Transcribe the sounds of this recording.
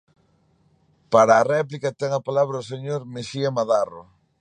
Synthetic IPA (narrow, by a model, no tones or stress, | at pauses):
paɾaːrɛplikat̪ɛŋapalaβ̞ɾaʊseɲoɾmeʃiamaðaro̰